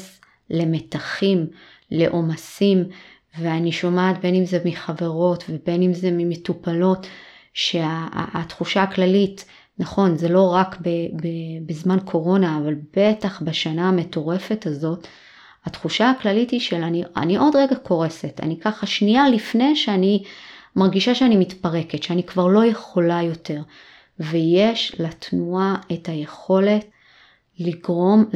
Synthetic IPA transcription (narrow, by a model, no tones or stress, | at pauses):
s | le̞me̞taχim | le̞ʔo̞masim | veaniʃo̞maːtbe̞nimzemiχave̞ʁo̞tve̞be̞nimze̞mimetupalo̞t | ʃe̞a̰ːtχuʃaːklalit | naχo̞nze̞lo̞ʁakbebebizmankʰo̞ʁo̞naːvalbe̞taχbaʃanaːme̞to̞ʁe̞fe̞tazo̞t | hatχuʃaaklalithiʃelania̰niʔo̞dʁeɡakʰo̞ʁe̞seta̰nikaχaʃnialifne̞jʃeanimaʁɡiʃaʃeanimitpaʁe̞ketʃeanikvaʁlo̞je̞χo̞lajo̞te̞ʁ | vejeʃlatnuae̞thaje̞χo̞le̞t | liɡʁo̞m